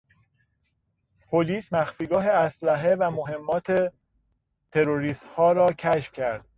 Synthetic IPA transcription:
pʰoliːsmæxfiːɡɒːɦe̞æslæɦe̞væmoɦe̞mːɒːt̪ʰe | t̪ʰe̞ɾoɾiːst̪hɒːɾɒːcʰæʃfcʰæɾd̪̥

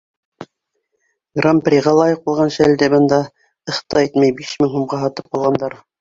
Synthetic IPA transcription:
ɡramprʲiʁɑlˠɑjɤq̚bulˠʁɑnʃæld̪ɘbɤ̆nd̪ɑ | ɤ̆χt̪ɑit̪mæjbiʃmɘŋɦumʁɑɦɑt̪ɤp̚qɑlˠʁɑnd̪ɑɾ

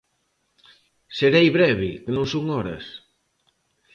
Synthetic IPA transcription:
seɾejβɾɛβɪkɪnõŋsuŋɔɾɐ̰s

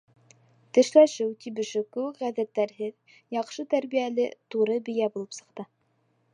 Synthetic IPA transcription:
t̪ɘ̆ʃlæʃɘwt̪iβɘ̆ʃɘkʉwɘkʁæðæt̪ːæɾɦɘð | jɑqʃɤt̪æɾβijælɘt̪uɾɤbɘ̆jæbulˠɤpsɤ̥̆qt̪ɤ

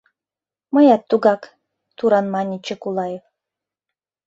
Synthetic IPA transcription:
məjɑt̪ːuɣɑk | t̪uɾɑnmɑnʲit͡ɕĕkulˠɑjef

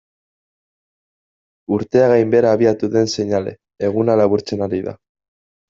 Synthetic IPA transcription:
uɾt̪e̞aɣajmbe̞ɾaːβ̞iat̪uðe̞nse̞ɲale̞̰ː | ɣ̞unalaβuɾt͡se̞naɾiða̰

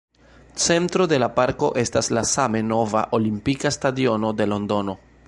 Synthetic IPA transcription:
t͡se̞ntɾo̞de̞lapaɾko̞ʔe̞staslasame̞no̞va̰ʔo̞limpikastadio̞no̞de̞lo̞ndo̞no̞

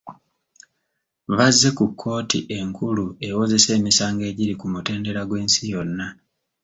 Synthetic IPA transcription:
βazːe̞kukʰːo̞ːtḭʔe̞ŋkʰulue̞wo̞ze̞se̞ːmisaːŋɡe̞ːɟiɾikumute̞ːnde̞ɾaɡwe̞ːnsijo̞nːa

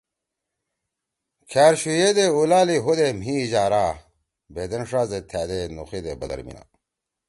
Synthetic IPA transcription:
kʰaːɾɕujed̪eulaːliɦud̪emɦiʑaːɾaː | bed̪enʂaːzet̪ʰæːd̪enṵxid̪ebɐ̰d̪ɐ̰ɾmḭna̰

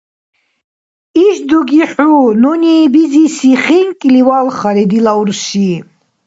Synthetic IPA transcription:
iʃd̪uɡiħunɔniːbizisiχiŋkʼiliwalχaɾɛd̪ilauɾʃiː

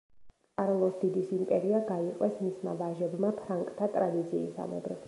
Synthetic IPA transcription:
qʼaɾlˠɔsd̪id̪isimpʼɛɾiaɡaiqʼwɛsmisma̰vaʒɛbmapʰɾaŋkʼt̪ʰat̪ʼɾad̪it̪sʰiːsa̰mɛ̰bɾɛs

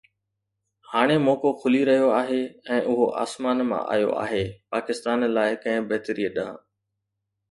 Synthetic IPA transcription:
haːɽ̃emoːkokʰʊliɾɐɦijoaːɦeːɛ̃ːʔʊɦoʔa̰ːsmaːnmã̰ʔa̰ːjo̰a̰ːɦeːpaːkɪst̪aːnlaːɪkɐ̃ɦɪ̃bɐːt̪əɾiːəɗãː

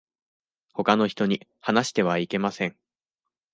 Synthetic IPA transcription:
ho̞kano̞çi̥t̪o̞ɲ̟ihanaɕi̥t̪e̞βaike̞masẽ̞ŋ

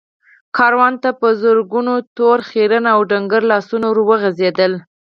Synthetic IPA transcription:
kʰɑɾwɑnt̪apəzʊɾɡunot̪oɾxeɾənaawɖaŋɡəɾlɑsunoɾwəɣəzed̪əl

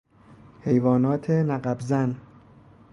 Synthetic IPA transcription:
he̞jvɒːnɒːt̪ʰenæɢæbzæn

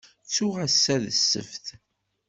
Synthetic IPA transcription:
t͡sːuʁæsːæðəsːə̰fθ

